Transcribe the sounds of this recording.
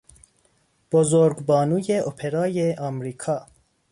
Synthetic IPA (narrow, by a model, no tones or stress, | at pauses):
b̥ozoɾɡbɒːnuːjeʔopʰeɾɑːjeʔɒmɾiːkʰɒː